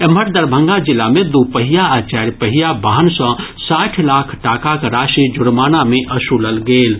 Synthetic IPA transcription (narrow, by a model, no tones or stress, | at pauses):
eməʈ̚d̪əɾbʱə̃ŋɡad͡ʒɪlːamed̪upəɦijaat͡ʃaːɾpəɦijabaɦənsɔ̃ | saːʈʰlaːkʰʈaːkakɾaʃid͡ʒʊɽmanameʔʔəsuləlɡeːl